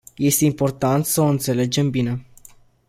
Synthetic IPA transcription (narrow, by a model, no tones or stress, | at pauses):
je̞st̪e̞impo̞rt̪ant̪səoɨnt̪se̞le̞d͡ʒe̞mbine̞